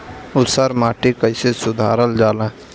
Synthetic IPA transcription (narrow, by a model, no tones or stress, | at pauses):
ʊt̪saɾmaːʈikəɪsesʊd̪ʱaːɾəld͡ʒaːlẽ